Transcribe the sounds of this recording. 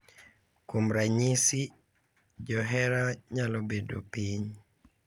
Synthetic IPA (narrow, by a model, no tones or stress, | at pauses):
kumɾaɲisi | d͡ʒɔɦɛɾaɲalɔbedo̰piɲ